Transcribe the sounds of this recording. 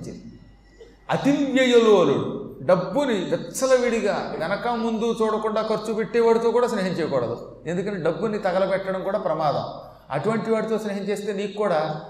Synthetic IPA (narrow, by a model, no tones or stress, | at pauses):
t͡ʃind̪i | ɐt̪imjɐjɐloːluɽuɖɐbːuniʋɛtsɐlɐʋiɽiɡaːʋɛnɐkɐmund̪ut͡ʃuːɽɐkuɳɖaːkɐɾt͡ʃːupeʈːɛːʋaːɽit̪oːkuːɽaːsneːɦɐɲt͡ʃɛːjɐkɔːɽɐd̪ṵ | e̞nd̪ukɐnːɖɐbːunit̪ɐɡɐlɐpɛʈːɐɽɐmkuːɽaːpɾɐmaːd̪ɐ̰m | ɐ̰ʈuʋɐɳʈiʋaːɽit̪o̞ːsneːɦɐɲt͡ʃeːst̪eːniːkukuːɽaː